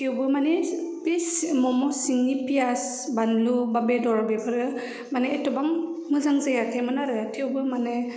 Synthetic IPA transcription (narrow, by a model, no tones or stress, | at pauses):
tʰiwbɯmanepismɔmɔsiŋnipias | banlubabedɔɾbebʰɯɾɯ | maneːtɔbaŋmɯzaŋzajakʰajmɯnaɾɯtʰiwbɯmane